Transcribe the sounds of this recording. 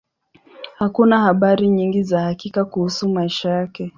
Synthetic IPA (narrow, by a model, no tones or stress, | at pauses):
hakunahaɓaɾiɲiŋɡizahakikakuhusumaiʃajakɛ